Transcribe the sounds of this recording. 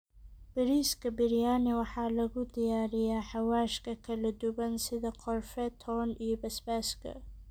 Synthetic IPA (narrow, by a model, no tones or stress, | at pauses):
b̥ɪɾiskʰɐbɪɾjaːnɪwɑħɑːlɐɣʊd̪ɪjaːɾɪjaːħɑwaːʃkʰɐkʰɐlɐd̪ʊbɐnsɪðɐqʰɔlfɛt̪ʰɔnijɔbɐsbaːskʰɐ̰